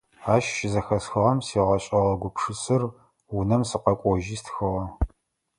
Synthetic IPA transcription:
aːʃʃɪzɐxɐsxɐʁɐmsiːʁɐɕʼɐʁɐɡʷʊpʰʂɨsɨr | wʊnɐmsɨqɐkʷʼɔʒiːstʰxɨʁɐ

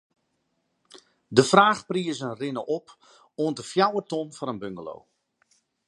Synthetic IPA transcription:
dəfraːxpriəsənrɪnəʔɔp | oəndəfjawətɔnfɔnənbøŋɡəlo̰w

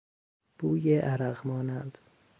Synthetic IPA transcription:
b̥uːjeʔæɾæɣmɒːnænd̪̥

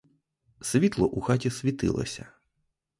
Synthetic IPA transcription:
sʲʋʲit̪lˠɔʔuxatʲisʲʋʲit̪ɪ̰lˠɐ̰sʲɐ̰

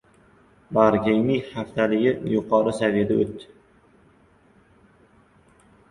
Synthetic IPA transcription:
baɾɡʲejnɪŋhaft̪ʰalɪɡʲɪjʊqʰɒɾɪsaved̪aot̪ːɪ̥

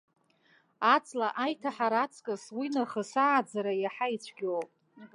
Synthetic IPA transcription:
at͡sʼlaʔajtʰaħaɾat͡sʰʼkʼaswinaχəsaʕːd͡zaɾajaħait͡ɕʷʰɡʲowpʼ

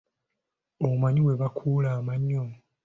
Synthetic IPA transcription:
omaɲiwe̞βakʰuːlaːmaɲːo

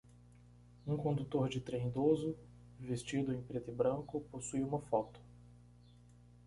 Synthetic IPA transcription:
ũkõnd̪ut̪oɾd͡ʒɪt̪ɾẽj̃d̪ozʊ | vest͡ʃid̪ʊẽj̃pɾet̪ɪbɾɐ̃kʊposujũmɐfɔt̪ʊ̥

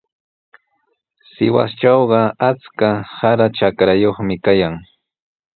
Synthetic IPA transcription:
sɪwa̰st͡ʃawɢɑat͡skahaɾat͡ʃakɾajoχmɪkajaŋ

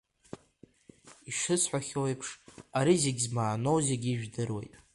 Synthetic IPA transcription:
iʂɨsʰħʷaχʲowejpʰʂaɾizeɡʲzmaːno̞wzeɡʲiːʒᶣdɨrwe̞̰jtʼ

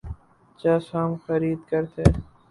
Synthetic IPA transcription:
t͡ʃaːsaːmxɐɾiːd̪kɐɾt̪ʰeː

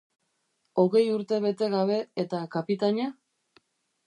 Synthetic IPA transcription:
o̞ɣe̞juɾt̪e̞βe̞t̪e̞ɣaβe̞et̪akapit̪aɲa

